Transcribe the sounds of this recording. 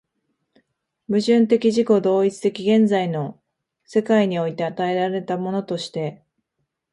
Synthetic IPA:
mɯ̟ʑɨ̃nt̪̬e̞kʲiʑiko̞d̪o̞ːit͡sɨ̥t̪e̞kʲiɡẽ̞nd͡zaino̞ | se̞kaiɲ̟io̞it̪e̞at̪ae̞ɾaɾe̞t̪amo̞no̞t̪o̞ɕi̥t̪e̞

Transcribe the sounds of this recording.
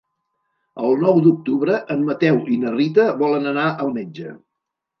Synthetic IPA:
əlˠnɔwd̪uk̚t̪uβɾəʔəmːət̪ɛwʔinərit̪əβɔlənənaʔəlˠmed͡ʒə̰

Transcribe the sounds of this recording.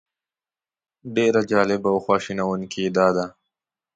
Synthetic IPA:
ɖeːɾad͡ʒɑːlɪbawxwɑːʃinawunkʰid̪aːd̪a

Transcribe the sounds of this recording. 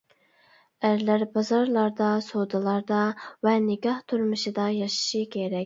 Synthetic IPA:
æɾlæɾbɑzɑɾlˠɑɾd̪ɑsod̪ɨlˠɑɾd̪ɑvɛnɪɡʲɑht̪ʰuɾmɨʃɨd̪ɑjɑʃi̥ʃɨkʲʰeɾɛkʲ

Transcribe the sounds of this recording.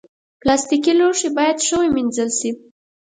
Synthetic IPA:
plɑst̪ikiloʂebɑjad̪ʃəweminzəlʃi

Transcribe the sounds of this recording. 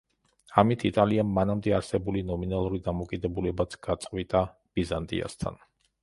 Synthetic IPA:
amit̪ʰit̪ʼaliamːanamd̪ɛaɾsɛbulinɔminalˠuɾid̪amɔkʼid̪ɛbulɛbat̪sʰɡ̥at̪sʼqʼvit̪ʼa | b̥izant̪ʼḭa̰st̪ʰa̰n

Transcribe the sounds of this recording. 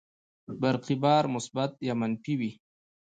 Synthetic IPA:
baɾqibɑːɾmʊsbat̪̚jamanfiwi

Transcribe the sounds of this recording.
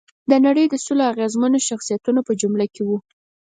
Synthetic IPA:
d̪ənaɽəjd̪əsuloaɣezmanoʃaxsijat̪unopəd͡ʒumlakewu

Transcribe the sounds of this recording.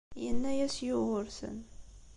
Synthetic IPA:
jənːæjæsjʊʁʊɾsə̰n

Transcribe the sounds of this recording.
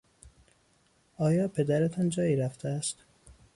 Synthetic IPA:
ɒːjɒːpʰe̞d̪æɾet̪ʰɒnd͡ʒɒːjiːɾæft̪ʰeæst̪

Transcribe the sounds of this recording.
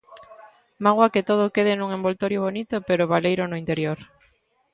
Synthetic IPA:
maɣwaket̪oð̞okeðɪnũŋembolt̪oɾjoβonit̪ʊpeɾoβalejɾʊnoint̪eɾjoɾ

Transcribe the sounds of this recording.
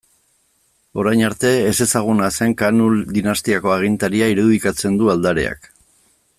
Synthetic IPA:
o̞ɾajɲaɾt̪e̞ːse̞saɣ̞unase̞ŋkanuld̪inast̪iako̞aɣ̞int̪aɾiaiɾuðikat͡se̞nd̪uald̪aɾe̞̰a̰k

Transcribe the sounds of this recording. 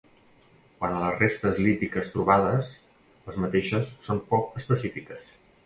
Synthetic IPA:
kwanələzrest̪əzlit̪ikəst̪ɾuβaðəs | əzmət̪eʃəsːompɔkəspəsifikəs

